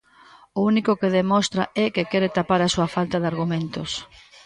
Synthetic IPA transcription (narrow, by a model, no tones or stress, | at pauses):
ʊunikʊkeðemɔst̪ɾaɛkekɛɾet̪apaɾasuɐfalt̪ɐðaɾɣumẽnt̪ʊs